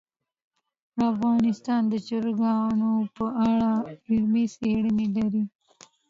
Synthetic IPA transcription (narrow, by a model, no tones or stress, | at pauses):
afɣɑːnɪst̪ɑːnd̪ət͡ʃəɾɡɑnopəʔaɽaɪlmiseɽəmilaɾi